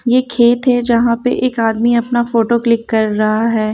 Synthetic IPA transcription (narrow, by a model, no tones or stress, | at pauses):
jekʰeːt̪ɦɛd͡ʒɐɦãpḛʔeːkaːd̪miɐpnafoːʈoklɪkːɐɾːɐɦaɦɛː